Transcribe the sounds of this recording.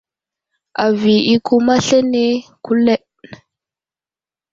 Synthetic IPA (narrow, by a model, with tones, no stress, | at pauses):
a˨vi˨i˦ku˦ma˦ɬe˦ne˦ku˦le˦ʔ